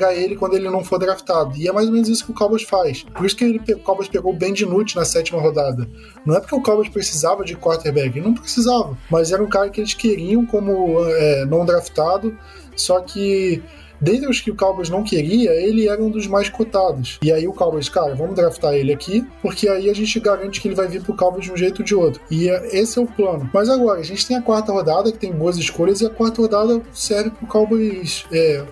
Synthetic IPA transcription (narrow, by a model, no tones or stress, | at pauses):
ɡaɾelɪkwɐ̃nd̪ʊelɪnɐ̃w̃foɾd̪ɾafi̥t̪ad̪ʊɪɛmajzomẽnʊzisʊ̥kɪʊkawbɐʃfajspoɾisʊ̥kɪelɪpeʊkawbɐʃpeɡowbẽj̃d͡ʒɪnut͡ʃɪnɐsɛt͡ʃimɐɦod̪ad̪ɐ | nɐ̃w̃ɛpʊ̥ɾkeʊkawbɐʃpɾesizavɐd͡ʒɪkwaɾt̪eɾbɛɡɪnɐ̃w̃pɾesizavɐmɐzɛɾɐũkaɾɐkɪelɪʃkeɾiɐ̃w̃kõmʊɛnɐ̃w̃d̪ɾaft̪ad̪ʊ | sɔkʰɪ | d̪ẽnt̪ɾɪʊskɪʊkawbɐznɐ̃w̃keɾiɐelɪɛɾɐũd̪ʊzmajskot̪ad̪ʊsɪaiʊkawbɐʃkaɾɐvɐ̃mʊd̪ɾaft̪aɾelɪakʰipʊɾkeaiaʒẽnt͡ʃɪɡaɾɐ̃nt͡ʃɪ̥kɪelɪvajviɾpɾʊkawbɐzd͡ʒɪũʒejt̪ʊd͡ʒɪot̪ɾʊɪesɪɛʊplɐ̃nʊmɐzaɡɔɾɐːʒẽnt͡ʃɪ̥t̪ẽj̃ɐkwaɾt̪ɐhod̪ad̪ɐkɪ̥t̪ẽj̃boɐzɪʃkoʎɐzɪɐkwaɾt̪ɐhod̪ad̪ɐsɛɾvɪpɾʊkawbɐsɛ